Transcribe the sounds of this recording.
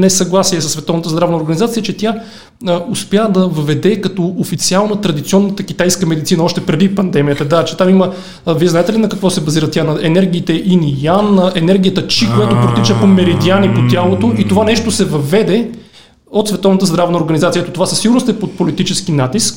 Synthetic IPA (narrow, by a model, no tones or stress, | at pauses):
nɛsɐɡlˠasiɛsəsvɛt̪ɔvnət̪əzd̪ɾavnəoɾɡɐnizat̪siət͡ʃɛt̪ja | ospjad̪ɐvəvɛd̪ɛkɐt̪ɔofit̪sialˠnət̪ɾɐd̪it̪siɔnːət̪əkʲit̪ajskəmɛd̪it̪sinəɔʃt̪ɛpɾɛd̪ipɐnd̪ɛmijət̪əd̪at͡ʃɛ̥t̪amimə | viɛznaɛt̪ɛlinɐkɐkvɔsɛbɐziɾət̪janɐɛnɛɾɡ̟iːt̪ɛʔinijanəʔɛnɛɾɡʲijət̪ət͡ʃikojat̪opɾot̪it͡ʃəpomɛɾid̪ianipot̪ʲjalˠot̪oʔit̪ovanɛʃt̪osɛvɐvɛd̪ɛ | ot̪svɛt̪ɔvnət̪əzd̪ɾavnəoɾɡɐnizat̪ijəɛt̪ot̪ovasəsiɡʊɾnost̪ɛpot̪̚polit̪it͡ʃɛskinat̪isk